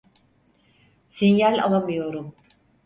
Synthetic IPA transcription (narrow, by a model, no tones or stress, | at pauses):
sinjælʲa̰lˠamɯjo̞ɾum